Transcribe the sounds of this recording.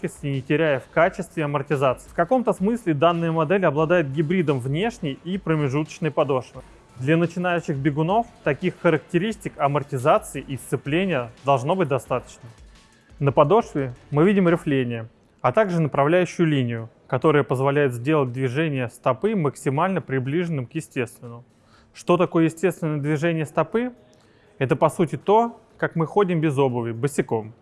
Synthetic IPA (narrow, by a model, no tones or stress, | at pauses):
kʲɪsʲt̪ʲɪnʲɪtʲɪɾʲæjəfkat͡ɕɪst̪vʲɪɐmərtʲɪzat̪sɨfkɐko̞mt̪əsmɨsʲlʲɪd̪anːɨjəmɐd̪ɛlʲɐblˠɐd̪ajɪt̪̚ɡʲɪbɾʲid̪əmvnʲe̞ʂnʲɪjipɾəmʲɪʐut̪ə̥t͡ɕnəjpɐd̪o̞ʂvʲɪ | d̪lʲənət͡ɕɪn̪ajʉɕːɪxbʲɪɡʊno̞ft̪ɐkʲixːəɾək̚tʲɪɾʲisʲtʲɪkɐmərtʲɪzat̪sɨɪʔist̪sɨplʲenʲɪjəd̪ɐlˠʐno̞bɨt̚ʲd̪ɐst̪at̪ə̥t͡ɕnə | nəpɐd̪o̞ʂvʲɪmɨvʲidʲɪmɾʲɪflʲenʲɪjə | ɐt̪aɡʐɨnəpɾɐvlʲæjʉɕːʊjʊlʲinʲɪjʊ | kɐt̪o̞ɾəjəpəzvɐlʲæjɪt̪zʲdʲe̞lˠət̚ʲd̪vʲɪʐɛnʲɪjəst̪ɐpɨməksʲɪmalʲnəpɾʲɪblʲiʐɨnːɨmkjɪsʲtʲe̞st̪vʲɪnːəmʊ | ʂt̪o̞t̪ɐko̞jəjɪsʲtʲe̞st̪vʲɪnəjəd̪vʲɪʐɛnʲɪjəst̪ɐpɨ | ɛt̪əpɐsutʲɪt̪o̞ | kakmɨxo̞dʲɪmbʲɪzo̞bəvʲɪbɨsʲɪko̞m